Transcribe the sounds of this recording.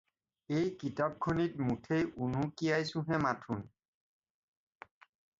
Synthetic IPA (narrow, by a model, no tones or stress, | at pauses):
ejkitap̚kʰonitmutʰejunukijajsũɦɛmatʰun